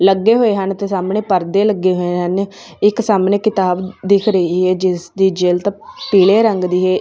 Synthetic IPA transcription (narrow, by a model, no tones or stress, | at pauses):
ləɡːeːɦoːeːɦənt̪eːsaːmneːpəɾd̪eːləɡeːɦoːeːɦən | ɪksaːmneːkɪt̪aːbd̪ɪkʰɾəiːɦɛːd͡ʒɪsd̪iːd͡ʒeːlt̪ãːpiːleːɾəŋɡd̪iːɦɛː